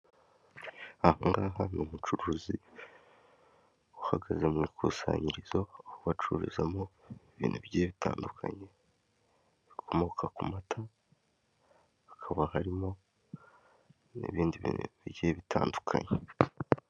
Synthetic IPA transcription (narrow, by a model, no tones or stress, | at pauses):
ahoŋɡaːɦanomut͡ʃuɾuːzi | uhaɡazemŋiːkʰuːsa̰ːɲiɾizohoβat͡ʃuɾizamoiβḭːnuβiɟeːβitʰa̰ːndukʰa̰ɲe̞ | βikʰo̞mookʰakumatʰa | kʰaβahaɾimo̞ | nḭβiːndiβiβiɟeːβitʰaːndu̥kʰa̰ɲe